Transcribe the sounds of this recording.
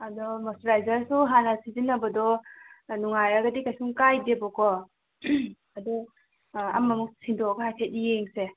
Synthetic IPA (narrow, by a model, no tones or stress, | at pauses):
adɔmɐsɾajzaɾsuɦanɐsizinːɐbɐdɔnuŋajɾɐɡɐdikajsuŋkajdebɔkɔ | adɔ | ɐ̰mːɐmuk̚sʰindɔɡahajtʰet̚ijeŋse